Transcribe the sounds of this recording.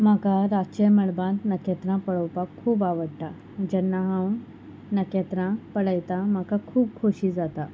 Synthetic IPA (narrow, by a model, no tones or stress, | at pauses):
m̤akaɾat͡ɕeməɭbãnt̪nəket̪ɾãpəɭowpakʰːuːbaʋəɽʈa | d͡ʑɛnːaɦãw | nəket̪ɾãpəɽəjt̪ãm̤akakʰuːp̚kʰoɕiːd͡zat̪a